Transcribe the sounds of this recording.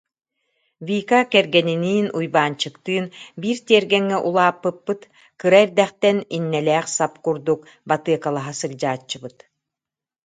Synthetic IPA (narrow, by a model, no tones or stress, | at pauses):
viːkakɛɾɡɛniniːnujbaːnt͡ɕɯkt̪ɯːnbiːɾt̪iɛɾɡɛŋːɛʔulˠaːpːɯpːɯt̪ | kɯɾaɛɾd̪ɛχt̪ɛninːɛlɛːχsapkuɾd̪uk | bat̪ɯɐkalˠaɦasɯkd͡ʑaːt͡ɕːɯbɯt̪